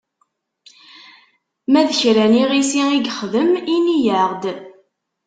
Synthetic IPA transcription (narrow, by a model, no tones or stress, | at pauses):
mæðəçɾæniʁisiiɡχəðəminijəʁd̪